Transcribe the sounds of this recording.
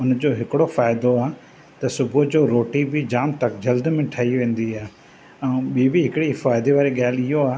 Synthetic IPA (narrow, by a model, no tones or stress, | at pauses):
ʊnd͡ʑoːɦɪkɪɽofaːɪd̪oaːɦ | t̪ɐsʊbʱʊd͡ʑoːɾoːʈibɪd͡ʑaːmt̪ɐkd͡ʑɐld̪mẽʈʰaːiʋẽːn̆d̪iaː | ɛ̃ːɓiːbiɦɪkɪɽifaːɪd̪eʋaːɾeɠaːlɪɦoaː